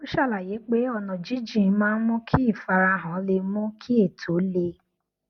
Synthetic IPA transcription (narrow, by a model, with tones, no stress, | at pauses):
o˦ʃa˦˨la˨je˨˦k͡pe˦ɔ˧nɔ̃˨d͡ʒi˦d͡ʒĩ˦˨˧mãː˦˧n̩˦mũ˦kʰi˦i˦˨fa˧ɾa˧ɦã˨˦le˧mũ˦kʰi˦i˦˨tʰo˨˦le˧